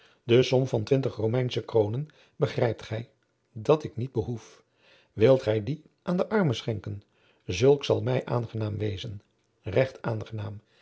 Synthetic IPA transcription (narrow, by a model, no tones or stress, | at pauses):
dəsɔmvɑntʋɪntəχromɛjnsəkrownən | bəχrɛjp̚tχɛj | dɑtɪknid̚bəɦuf | ʋɪlˠtχɛjdi | ʔaːndəʔɑɹməsχɛŋkən | zɵlˠksɑlˠmɛjʔa̰ːnχənaːmʋejzən | rɛχtaːnχənaːm